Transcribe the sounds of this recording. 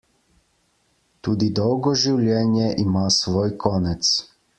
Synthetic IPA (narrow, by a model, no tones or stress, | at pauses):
t̪uːd̪id̪ɔwɡɔʒiwlʲjɛːnjɛʔimaːsʋoːjkʰɔːnɛt̪s